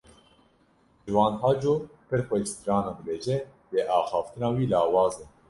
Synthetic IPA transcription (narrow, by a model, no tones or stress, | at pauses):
ʒɨwɑ̃ːnhɑːd͡ʒoːpʰɨɾxʷɛt͡ʃt̪ɾɑːnɑːd̪ɨbeːʒɛ | d̪eːʔɑːxɑːft̪ʰɨnɑːwiːlɑːwɑːzɛ